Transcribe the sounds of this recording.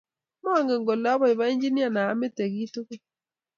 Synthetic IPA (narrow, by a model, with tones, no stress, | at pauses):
mɔ˦˨ŋɡe˨ŋɡo˨la˦βɔ˦i˨βa˦i˦ɲd͡ʒi˦ni˦a˦˨naː˨˦me˦te˨ɣi˦to˦ke˦